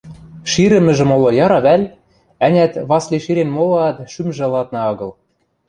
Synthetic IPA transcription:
ʃiɾɘ̆mɘ̆ʒɘ̆molŏjɑɾɑβælʲ | ænʲæt̪βɑsliʃiɾenmolɤɑt̪ʃymʒɘ̆lɑt̪̚nɑɤɣɤ̆l

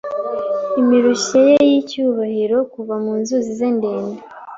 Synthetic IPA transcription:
imiɾuɕejejicuːβahiɾo̞kuvamuːnzuzizende̞ːnde

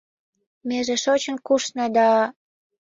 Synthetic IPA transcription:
meʒĕʃot͡ɕə̆nkuʃnɑd̪ɑ

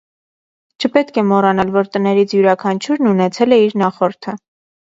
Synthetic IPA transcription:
t͡ʃʰəpɛt̪kʰɛmɔrɑnɑlvɔɾt̪ənɛɾit͡sʰjuɾɑkʰɑnt͡ʃʰuɾnunɛt͡sʰɛlɛiɾnɑχɔɾt̪ʰə

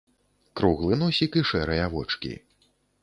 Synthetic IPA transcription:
kɾuɣlˠɨnɔsʲikiʂɛɾɨjɐvɔ̰t͡ʂkʲḭ

